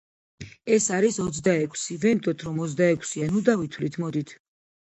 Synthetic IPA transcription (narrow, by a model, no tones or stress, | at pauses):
ɛsaɾisɔt̪sd̪aɛkʰsivɛnd̪ɔt̪ʰɾɔmɔt̪z̬d̪aɛkʰsianud̪avit̪ʰwlit̪ʰmɔd̪it̪ʰ